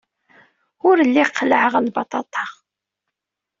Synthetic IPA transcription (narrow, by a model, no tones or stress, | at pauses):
ʊɾəlːiqʰːləʕəʁlbɑt̪ˤɑt̪ˤɑ̥